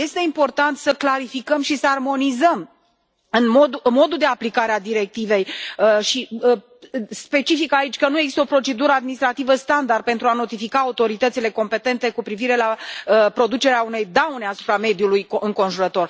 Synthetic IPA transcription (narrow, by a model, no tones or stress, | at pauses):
je̞st̪e̞impo̞rt̪ant̪səklaɾifikəmʃisəarmo̞nizəm | ɨnmod̪umo̞d̪ud̪e̞aplikaɾead̪iɾe̞k̚t̪ive̞jəʃiə | spe̞t͡ʃifikait͡ʃʲkənueɡzist̪əopɾo̞t͡ʃe̞d̪uɾəad̪minist̪ɾat̪ivəst̪and̪ard̪̚pe̞nt̪ɾuano̞t̪ifikaːut̪o̞ɾit̪ət̪sile̞ko̞mpe̞t̪e̞nt̪e̞kupɾiviɾe̞laəpɾo̞d̪ut͡ʃe̞ɾeaune̞jd̪awneasu̥pɾame̞d̪julujɨŋko̞nʒuɾət̪o̞r